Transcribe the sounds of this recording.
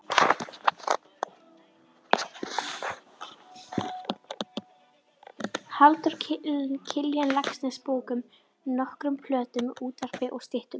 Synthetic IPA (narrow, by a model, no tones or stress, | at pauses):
halt̪ʏɾ̥ɪncʰɪljanlaksnɛspoːwkʏm | nɔhkɾʏmfʰlœːt̪ʏmuːt̪ar̥pɪʔɔɣst̪ɪht̪ʏm